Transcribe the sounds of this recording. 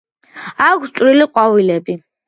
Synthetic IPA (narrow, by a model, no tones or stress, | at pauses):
akʷʰstsʼwɾiliqʼwawilɛbi